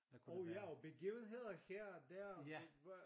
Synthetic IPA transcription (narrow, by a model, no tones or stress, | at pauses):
ɒʊjæɒb̥e̝ɡiːʊn̩ɦe̝ð̰ˠɐhɛɐ̰d̥æɐ̰